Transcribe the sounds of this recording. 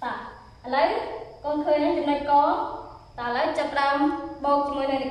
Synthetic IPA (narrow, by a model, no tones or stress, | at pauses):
ɓaː | ʔələwkɔːnkʰəːɲnaŋt͡ɕɑmnəc̚kɑː | t̪aʔələwt͡ɕapːəɗaɔmɓɔːk̚t͡ɕəmːuəjnɨŋɗ